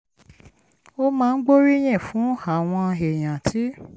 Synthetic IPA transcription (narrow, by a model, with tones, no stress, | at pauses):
o˦mãː˧n̩˦ɡ͡bo˦ɾi˦j̃ɛ̃˦˨fũ˨˦a˨w̃ɔ̃˧e˨j̃ã˨tʰi˨˦